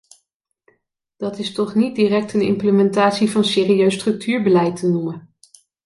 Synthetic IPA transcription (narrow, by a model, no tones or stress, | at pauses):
d̥ɑtɪstɔχnit̚diːrɛk̚tənɪ̰mpləmɛntaːtsivɑnseːriøɥstrɵk̚tʰyːɹbəlɛjtənumən